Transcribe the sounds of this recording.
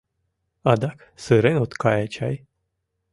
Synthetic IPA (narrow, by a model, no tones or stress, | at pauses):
ɑd̪ɑk | sɨɾenot̪kɑjat͡ɕɑj